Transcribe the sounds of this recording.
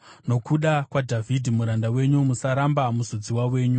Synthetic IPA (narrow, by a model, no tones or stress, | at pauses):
no̞kuɗakwadʱavʱidʱimuɾandawe̞ɲumusaɾambamuzod͡ziwawe̞ːɲu